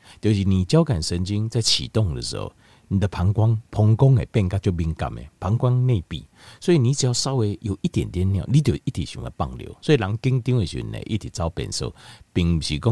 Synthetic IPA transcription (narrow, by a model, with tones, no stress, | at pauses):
t̪jo˨˩ɕ̬i˨˩nĩ˨˩t͡ɕja˦ʊka˨˩nsə˧nt͡ɕi˦ŋt͡sa˥˨ɪt͡ɕʰḭ˨t̪ɔ˥˨ŋd̪ə̰˨˩s̩˧˦ho̰˧˩ | nĩ˨d̪ə˨˧pʰa˨˦ŋkwa˦ŋpʰɔ˧ŋkɔ˦ŋḛ˨˩pɛ˥˧nka˦˧t͡ɕjo˥˧˨bi˧ŋka̰˨˩mḛ˨pʰa˨˦ŋkwa˦ŋnẽ˥˧pḭ˨swɔ˧˦i˨nĩ˨˦t͡ɕja˧sa˦ʊwe˧jo˨˩ʔi˦t̪jɛ˨˩nt̪jɛ˦nːjã̰˥˨ʊ˨li˦t̪̬jo˨˩ʔi˦t̪ʰi˨˩ɕṵ̃˨ŋd̪ə̰˨pa̰˥˧ŋljo̰˧˦swɔ˧˦i˨la˨˦ŋki˦ŋt̪ĩ˧˦ŋe˨ɕṵ˨n̩̰˨ḛ˨˧˦ʔi˦t̪ʰi˨˩t͡sa˦ʊpɛ̰˨nsə̰˥˧˨pi˨˩ŋm˨ɕi˨˩kɔ˦ŋ